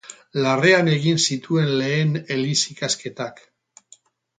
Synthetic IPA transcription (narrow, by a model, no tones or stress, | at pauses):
lare̞ane̞ɣinsit̪ue̞nle̞ːne̞lisikaske̞t̪ak